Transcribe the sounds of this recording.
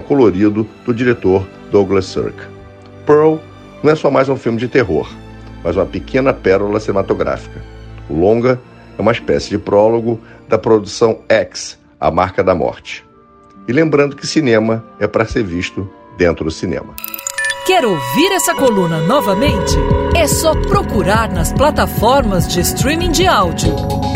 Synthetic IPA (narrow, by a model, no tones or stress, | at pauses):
ɛkoloɾid̪ʊd̪̥ʊd͡ʒiɾet̪oɾ | d̪oɡlɐsṵɾk | pɛɾw | nɐ̃w̃ɛsɔmajzũfilmɪd͡ʒɪt̪eɦo̰ɾ | mɐzũmɐpekʰẽnɐpɛɾulɐsinemat̪oɡɾa̰fi̥kɐʊlõɡɐɛũmɐiʃpɛ̰sɪd͡ʒɪpɾɔloɡʊd̪ɐpɾod̪usɐ̃w̃ɛks | a̰maχkɐd̪ɐmɔ̰ɾt͡ʃɪ̥ | ɪlẽmbɾɐ̃nd̪ʊkɪsinẽmɐɛpɾɐseɾviʃt̪ʊ | d̪ẽnt̪ɾʊd̪ʊsinḛ̃mɐkɛɾowviɾɛsɐkolũnɐnɔvɐmẽnt͡ʃɪɛsɔpɾokuɾaɾnɐsplat̪afɔɾmɐzd͡ʒɪst̪ɾĩmĩŋd͡ʒɪawd͡ʒʊ